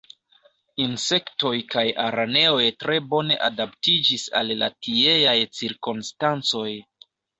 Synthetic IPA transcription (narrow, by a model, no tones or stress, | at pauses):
inse̞kto̞jkajaɾane̞o̞jtɾe̞bo̞ne̞ʔadaptid͡ʒisa̰lːa̰tie̞jajt͡siɾkonstant͡so̞j